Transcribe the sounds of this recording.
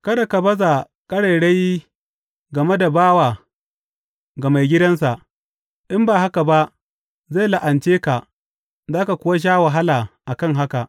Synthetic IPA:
kɐ˦da˨ka˨bɐ˦za˨ | kʼɐ˦ɽe˨jɽe˦ji˦ | ɡɐ˨me˦da˨baː˦waː˨ | ɡɐ˨ma˨jɡʲɪ˦dɐ˦nsa˨ʔ | ʔɪ˦mbaː˨ɦa˦ka˨ba˦ʔ | za˦˨jla˨ʔa˨nt͡ʃeː˦ka˨ | zaː˦ka˨kʷʊ˦wa˦ʃ̬aː˦wa˨ɦa˦laː˨ʔa˨kɐ˦ŋɦa˦ka˨ʔ

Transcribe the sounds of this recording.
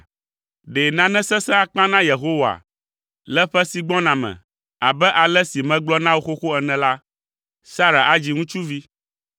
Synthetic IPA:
ɖe˨nã˨nɛ̃˦sɛ̃˦sɛ̃˦a˨k͡pã˦nã˦je˨ɦo˦wa̰˨ | lɛ˦ɸɛ˦si˨ɡ͡bɔ̃˦nã˨mɛ̰̃˨ | a˨bɛ˦ʔa˨lɛ˦si˨mɛ̃˨ɡ͡blɔ˦nã˦wo˦xo˦xo˦ɛ˨nɛ̃˨la˦ | sa˦ɾa̰˨ʔa˦d͡ʑi˨ŋũ˦t͡ʃu˦vi˦

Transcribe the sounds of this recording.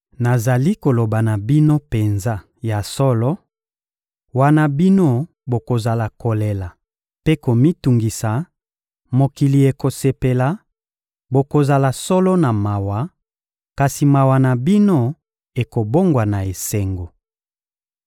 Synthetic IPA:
na˨za˨li˦ko˨lo˨ba˨na˨bi˦no˦pe˨nza˦ | ja˨sɔ˦lɔ˦ | wa˦na˦bi˦no˦ | bo˨ko˨za˨la˨ko˨le˨la˨ | pe˦ko˨mi˦tu˨ŋɡi˨sa˨ | mo˨ki˨li˨e˨ko˨se˨pe˨la˨ | bo˨ko˨za˨la˨sɔ˦lɔ˦na˨ma˨wa˨˦ | ka˨si˨ma˨wa˨na˨bi˦no˦ | e˨ko˨bo˦ŋɡwa˨na˨e˨se˨ŋɡo˨

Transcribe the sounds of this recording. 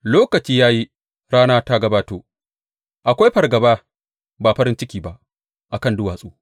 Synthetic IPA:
loː˦kɐ˨t͡ʃiː˦jaː˦ji˦ | ɾaː˦naː˦ta˦ɡɐ˦baː˦toː˦ | ʔa˨kʷa˦jɸɐ˨rɡɐ˨baː˦ | baː˨ɸɐ˦ɾɪ˦nt͡ʃɪ˦kʲiː˨ba˨ʔ | ʔa˨kɐ˦˨ndʊ˦waː˨sʼoː˦

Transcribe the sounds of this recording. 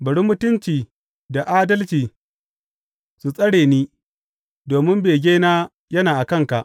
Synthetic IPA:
bɐ˨ɽi˦mːʊ˦tʊ˦nt͡ʃiː˨ | da˨ʔaː˦dɐ˦lt͡ʃiː˨ | su˨sʼɐ˦ɽeː˨niː˦ | doː˨mɪ˦mbeː˨ɡʲeː˦naː˦ | jɐ˦naː˨ʔa˨kɐ˦ŋka˨ʔ

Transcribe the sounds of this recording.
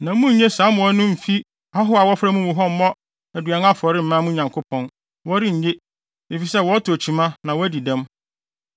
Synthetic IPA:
nã˨˦mũ˦ɲ̩˦ɲe˦sãː˨˦mʊ̃˨ɔ˦nʊ̃˦m̩˨fi˦ | a˦ɦʊ˦a˨wɔ˦fɾa˦mũ˦mũ˨ɦɔ˦m̩˦mɔ̃˦ | æ˨dɥa˨n˦a˦fɔ˨ɾɪ˦m̩˨mã˦mũ˦ɲã˨ŋkʰo˦pʰɔ̃˦n | wɔ˦ɾɪ˦ɲ̩˨ɲe˦ | e˨fi˨sɛ˦˨wɔ˦tʰæ˨t͡ɕʰi˨mã˦nã˨wɔ˦æ˦di˨dɛ̃˦m

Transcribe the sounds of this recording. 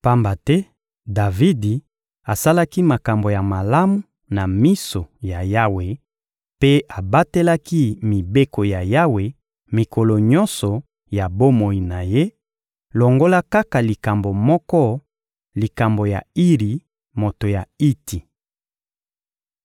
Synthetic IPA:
pa˦mba˨tɛ˦ | da˨vi˦di˨ | a˨sa˦la˦ki˦ma˨ka˨mbo˨ja˨ma˨la˦mu˨ | na˨mi˦so˨ja˨ja˦we˨ | pe˦a˨ba˦te˦la˦ki˦mi˨be˦ko˨ja˨ja˦we˨ | mi˨ko˨lo˨ɲɔ̃˦nsɔ˨ | ja˨bo˦mo˨i˨na˨je˦ | lo˨ŋɡo˦la˦ka˦ka˨li˨ka˨mbo˨mɔ˦kɔ˦ | li˨ka˨mbo˨ja˨i˦ʁi˨ | mo˨to˨ja˨i˦ti˨

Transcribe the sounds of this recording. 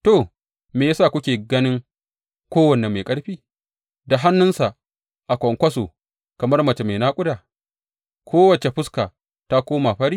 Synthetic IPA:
to˨ | meː˨jaː˦saː˦˨kʷʊ˦kʲeː˨ɡɐ˦nɪ˦ŋ | kʷoː˦wɐ˨ne˨meː˨kʼɐ˦ɽɸiː˦ | da˨ɦa˦nːʊ˦nsa˨ʔ | ʔa˨kʷɔ˨ŋkʷɐ˦soː˨ | kɐ˨mɐ˦rmɐ˨t͡ʃe˨meː˨naː˦kʷʼʊ˦daː˨ | kʷʰoː˦wɐ˨t͡ʃe˨ɸʊ˦ska˨ | ta˦kʷoː˦ma˨ɸɐ˦ɽiː˦

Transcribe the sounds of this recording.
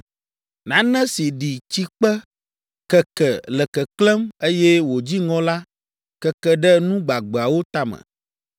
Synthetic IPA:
nã˨˦nɛ̃˦si˨ɖi˨t͡ɕi˦k͡pɛ˦ | kɛ˨kɛ˨lɛ˨kɛ˨klɛ˦me˦jɛ˦wo˨d͡ʑi˦ŋɔ̃˦la˦ | kɛ˦kɛ˨ɖɛ˦nũ˦ɡ͡ba˨ɡ͡bɛ˨a˨wo˦t̪a˦mə̰̃˨

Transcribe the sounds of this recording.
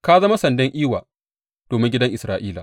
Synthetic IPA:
ka˦zɐ˦ma˦sɐ˨ndɛ˦ŋʔiː˦waː˨ | d̥oː˨mɪ˦ŋɡʲɪ˦dɐ˦ŋʔɪ˨sɾaː˨ʔiː˦laː˨

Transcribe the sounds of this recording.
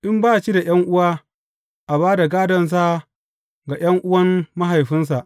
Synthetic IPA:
ʔɪ˦mbaː˦˨t͡ʃi˦da˨j̰ɐ˦ŋʔʊ˦waː˦ | ʔa˨baː˦da˨ɡaː˦dɐ˨ns̬a˦ | ɡa˨j̰ɐ˦ŋʔʊ˦wɐ˦mːa˦ɦa˨jɸɪ˦ns̬a˨ʔ

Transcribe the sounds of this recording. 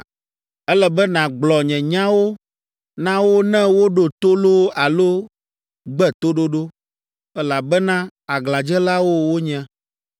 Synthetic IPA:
ɛ˦lɛ˨bɛ˦nã˨ɡ͡blɔ˨ɲɛ̃˨ɲã˦wo˦ | nã˦wo˦nɛ̃˦wo˦ɖo˨t̪o˦lo˦a˨lo˦ | ɡ͡bɛ˦t̪o˦ɖo˦ɖo˦ | ɛ˦la˨bɛ˦nã˦a˨ɡlã˨d͡ʒɛ˦la˦wo˦wo˦ɲɛ̃˨

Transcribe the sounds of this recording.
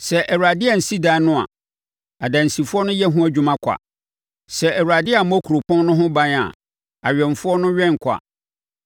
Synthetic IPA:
sɛ˨ʔɛ˨wu˨ɾa˨dɪ˦a˨n̩˨si˦dãː˦nʊ̃˦a̰˨ | a˨dã˨n̩˨si˨fʊ˦ɔ˦nʊ̃˦jɛ˦ɦũ˦æ˦d͡ʑᶣu˦mã˦kʷʰa̰˨ | sɛ˨ʔɛ˨wu˨ɾa˨dɪ˦a˨mɔ˦kʰu˨ɾo˨pʰɔ̃˦nnʊ̃˦ɦʊ̃˦bã˦na̰˨ | a˨ɥᶣɛ̃˨n˨fʊ˦ɔ˦nʊ̃˦ɥᶣɛ̃˦ŋ˨kʰa̰˨

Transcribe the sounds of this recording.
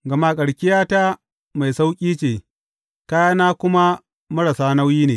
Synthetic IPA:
ɡɐ˨ma˦kʼɐ˨ɽkʲɪ˦jaː˦ta˦ | ma˨jsa˦wkʲʼiː˦t͡ʃeː˨ | kaː˦jaː˦naː˦kʷʊ˦ma˦ | mɐ˦ɽɐ˨saː˦na˦wjiː˦neː˨

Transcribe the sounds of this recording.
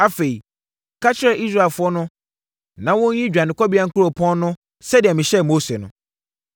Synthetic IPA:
a˦fe˨i˨ | kʰa˦t͡ɕʰɪ˦ɾɛ˨ʔi˦s̬ɾa˦˨lfʊ˦ɔ˦nʊ̃˦ | nã˨wʊ̃˦ɲ̩˦ɲĩ˦d͡ʑᶣa˨nɪ̃˨kʰɔ˦bi˦a˦ŋ̩˦kʰʊ˦ɾo˨pʰɔ̃˦n˦nʊ̃˦ | sɛ˦dɪ˨ɛ˨mɪ̃˨ɕɛ˦˨mo˦se˨nʊ̃˨

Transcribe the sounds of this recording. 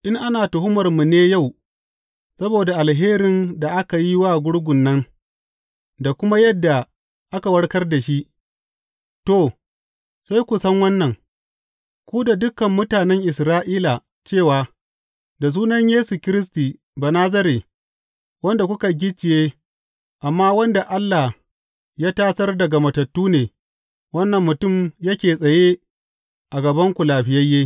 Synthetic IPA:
ʔɪ˦ŋʔa˦naː˨tʊ˨ɦʊ˦mɐ˨rmu˨neː˦ja˦˨w | sɐ˦boː˨da˨ʔa˨lɦeː˦ɾɪ˨nda˨ʔa˦ka˨ji˦waː˦˨ɡʷʊ˦ɽɡʷʊ˨nːɐ˦ŋ | da˨kʷʊ˦ma˦jɐ˦dːa˨ | ʔa˦ka˨wɐ˦ɽkɐ˦rda˨ʃi˦ʔ | to˦˨ | sa˦jkʷu˨sɐ˦ŋwɐ˦nːɐ˨ŋ | kʷuː˦da˨dʊ˦kɐ˨mːʊ˦taː˨nɛ˦ŋʔɪ˨sɾaː˦ʔiː˦la˨ | t͡ʃeː˦˨waː˨ | da˨s̬uː˦nɐ˦ɲjeː˦su˨kʲɪ˦ɾɪ˦s̬tiː˨ | baː˨naː˦z̬ɐ˦ɾeː˨ | wɐ˦nda˨kʷʊ˦ka˨ɡʲɪ˦t͡ʃːɪ˨jeː˦ | ʔa˨mːaː˦wɐ˦nda˨ʔa˦lːa˨ | jaː˦taː˦sɐ˦rdɐ˨ɡa˨mɐ˨tɐ˨tːuː˦neː˨ | wɐ˦nːɐ˨mːʊ˨tʊ˦˨mjɐ˦kʲeː˨sʼɐ˨jeː˦ | ʔa˨ɡɐ˨bɐ˦ŋkʷu˨laː˨ɸɪ˨˦jɐ˦jːeː˦

